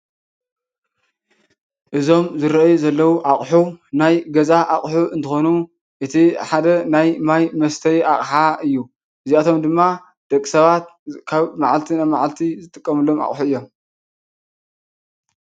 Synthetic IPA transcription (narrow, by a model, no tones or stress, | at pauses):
ʔɨzo̞mzɨɾɐʔjuzɐlːɐwuʔaχʼħunajɡɐzaʔaχʼħuʔɨnt̪ʰɨxonu | ʔɨt̪ʰiħad̪ɐnajmajmɐst̪ʰɐjʔaχʼħaɨjːu | ʔɨziat̪ʰo̞md̪ɨmːa | d̪̥ɐkʼːisɐβat̪̚kʰaβmaʕalt̪ʰinajmaʕalt̪ʰizɨt̪ʼɨkʼːɐmɨlo̞ma̰χʼħuɨjːo̞m